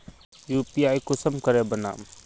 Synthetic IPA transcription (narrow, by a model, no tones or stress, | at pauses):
jupiaːjkʊsəmkəɾɛbəna̰ːm